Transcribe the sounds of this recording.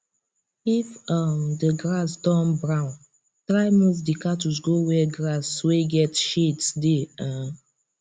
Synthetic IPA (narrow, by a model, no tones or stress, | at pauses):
ifamdəɡɹasdɔ̃nbɹãn | tɹaɪmos̬dikatus̬ɡowɛɡɹasweɡɛtʃetsdeã